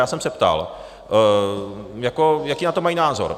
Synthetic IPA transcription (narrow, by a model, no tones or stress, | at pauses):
jaːsɛmsɛpt̪a̰l | jako̞jakiːnat̪omajinaːzo̞̰ɾ